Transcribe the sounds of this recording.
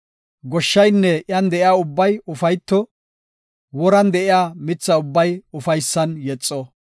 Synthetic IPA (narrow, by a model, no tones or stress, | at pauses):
ɡɔʃːɐjnːɛʔjɐnd̪ɛʔɪjaːʊbːɐjʊfɐjt̪ːɔ | wɔɾɐnd̪ɛʔɪjaːmɪt͡sːɐʊbːɐjʊfɐjsːɐnjɛt͡sʼːɔ